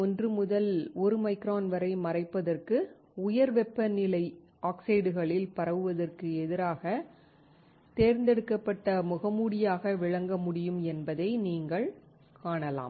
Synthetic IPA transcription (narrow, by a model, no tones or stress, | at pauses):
ɔndrɯmʊðɐlɔɾɯmɐɪkɾaːnʋɐɾɐɪmɐrɐɪpːɐðɐrkɯ | ʊjɐɾʋɛpːɐnːɪlɐɪ | aːksɪɪɽɯɣɐɭɪlpɐɾɐʋɯʋɐðɐrkɯɛðɪɾaːɣɐ | t̪eːɾnd̪ɛɽɯkːɐpːɐʈːɐmʊɣɐmuːɽɪjaːɣɐʋɪɻɐŋɡɐmʊɽɪjɯmɛnbɐðɐɪniːŋɡɐɭ | kaːɳɐla̰ːm